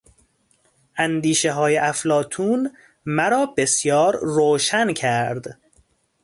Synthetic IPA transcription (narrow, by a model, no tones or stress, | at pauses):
ʔænd̪iːʃeɦɒːjeʔæflɒːt̪ʰuːn | mæɾɒːbe̞sjɒːɾɾoːʃæncʰæɾd̪